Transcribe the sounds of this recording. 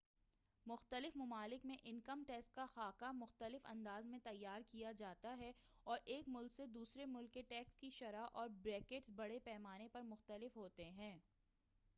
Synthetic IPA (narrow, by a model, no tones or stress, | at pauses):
mʊxt̪əlɪfmɐmaːlɪkmẽʔɪnkəmʈɛːsʈ̚kaxaːkamʊxt̪əlɪfɐ̰̃nd̪aːzmẽt̪ɐjːaːɾkijad͡ʒaːt̪aɦɛ | ɔːɾʔeːkmʊlksed̪uːsɾemʊlkːeʈɛːkskiʃɐɾaʔɔːɾbɾɛːkeʈsbɐɽepɛːmaːnepɐɾmʊxt̪əlɪfɦoːt̪eɦɛ̃ː